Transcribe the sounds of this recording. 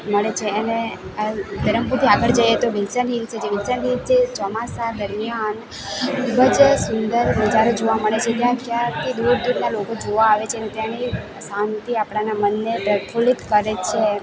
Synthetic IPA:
məɭet͡ʃʰeəne | d̪əɾəmput̪ʰiaɡəɭd͡ʒəjet̪oʋilsənɦilt͡ʃʰed͡ʒeʋɪlsənɦilt͡ʃʰet͡ʃɔmasad̪əɾmijan | ibəd͡ʒsʊnd̪əɾnəd͡ʒaɾod͡ʒoʋaməɭet͡ʃʰet̪jãkjãt̪ʰid̪uɖduɽnalokod͡ʒoʋaːʋet͡ʃʰenet̪jãni | sant̪iapɽanamənːepɾəkʰulikːəɾet͡ʃʰe

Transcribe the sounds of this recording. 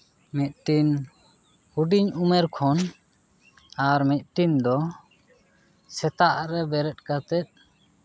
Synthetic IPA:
mɛt̪̚ʈin | huɖiɲumɛɾkʰɔn | aɾmɛt̪̚ʈind̪ɔ | sɛt̪aʔɾɛbɛɾɛt̪̚ˀkat̪ɛt̪̚

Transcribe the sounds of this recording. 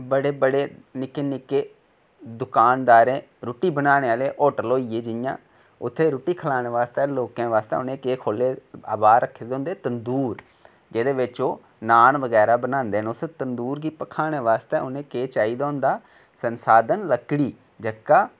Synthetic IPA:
bəɽeːbəɽeːnɪkeːnɪkeː | d̪ʊkaːnd̪aːɾẽː | ɾʊʈiːbənaːɽ̃eːaːleːʔoːʈəloːiːeːd͡ʒɪjã̰ː | ʊt̪ʰːeːɾʊːʈiːkʰəlaːɽ̃eːʋaːst̪eːloːkẽːʋaːst̪ḛʊnẽːkeːkʰoːlːeːa̰ːbaːd̪ɾəkʰːeːd̪õːnd̪eːt̪ənd̪uːɾ | d͡ʒeːd̪eːʋɪt͡ʃoː | naːnʋəɡɛːɾaːbənãːnd̪eːənʊset̪ənd̪uːɾɡiːpəkʰaːɽ̃eːʋaːst̪eːʊnẽːkeːt͡ʃaːiːd̪aːnd̪aː | sənsaːd̪ənləkɽiː | d͡ʒəkaː

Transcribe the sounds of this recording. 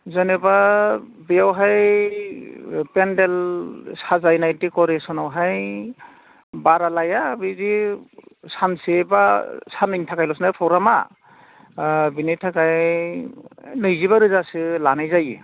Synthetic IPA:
zaneba | bejawɦaj | pendelsazajnajtikɔɾesɔnawɦaj | baɾalajabizi | sansebasanɯŋtʰakajlɔsnapʰɔwɾama̰ | binijtʰakaj | nɯjziβaɾɯzasɯlanajzajḭ

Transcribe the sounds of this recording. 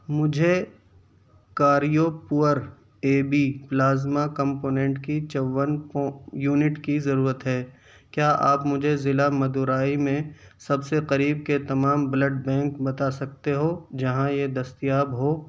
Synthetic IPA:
mʊd͡ʒʱe | kaːɾijopʊəɾ | eːbiplaːzmakɐ̃mpoːnɛ̃ːɳʈkit͡ʃɐʋənpːjuːnɪʈkizɐɾuːɾət̪ɦɛː | kjaːʔaːpmʊd͡ʒʱezɪlamɐd̪uːɾaːimẽsɐbseqɐɾiːb̚ket̪ɐmaːmbləɖbɛ̃ːŋkbɐt̪asɐk̚t̪eɦoːd͡ʒɐɦãjed̪ɐst̪ijaːbɦoː

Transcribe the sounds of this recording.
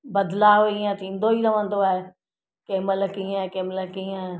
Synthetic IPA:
bɐd̪laːʋiːə̃t̪ʰĩːnd̪oiɾɐʋə̃nd̪oaːɦe | keːməlkiːə̃keːmələkiːə̃

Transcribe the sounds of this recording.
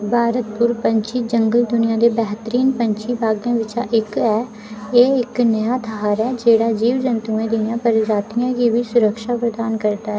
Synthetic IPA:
bʱaːɾət̪pʊɾpəɲt͡ʃiːd͡ʒəŋɡəld̪ʊnɪjãːd̪eːbɛːɦt̪əɾiːnpəɲt͡ʃiːbʱaːɡãːʋɪt͡ʃãʔɪkɛː | eːɪknəjaːt̪ʰəɦaːɾɛːd͡ʒeːɽaːd͡ʒiːʋd͡ʒənt̪uːẽːd̪ɪjãːpəɾd͡ʒaːt̪ɪjãːɡiːʋiːsʊɾəkʃaːpɾəd̪aːnkəɾd̪aːɦɛː

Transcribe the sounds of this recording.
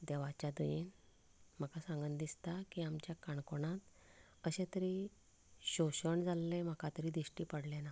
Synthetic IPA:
d̪eʋat͡ɕjad̪əjin | m̤əkasãŋɡənd̪ist̪akiamt͡ɕjakaɳkoɳãt̪ | əɕẽt̪əɾi | ɕoɕəɳd͡zalːẽm̤əkat̪əɾid̪iɕʈiːpəɽlena

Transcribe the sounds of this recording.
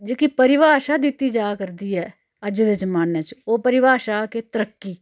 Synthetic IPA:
d͡ʒeːkipəɾɪʋaːʃaːd̪ɪt̪ːiːd͡ʒaːkəɾd̪iːɛː | əd͡ʒd̪eːd͡ʒəmaːneːt͡ʃoːpəɾɪʋaːʃaːkeːt̪əɾəkːiː

